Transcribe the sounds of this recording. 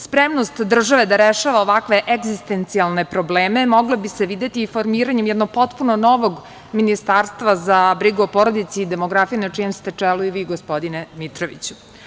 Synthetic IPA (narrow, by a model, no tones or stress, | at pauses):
spɾemnost̪d̪r̩ʒaʋe̞d̪aɾeʃaʋaoʋakʋe̞ʔeɡzist̪ent̪sialˠne̞pɾobleːme̞mo̞ɡlebiseʋid̪e̞t̪iːfo̞ɾmiːɾaɲemjɛd̪noɡ̚po̞t̪punono̞ʋoɡ | minist̪aːɾst̪ʋazabɾiɡuopoɾo̞d̪it̪siːd̪emoɡɾafijenat͡ʃijemst̪e̞t͡ʂɛluiʋiːɡospo̞d̪inemit̪ɾoʋḭt͡ɕu̥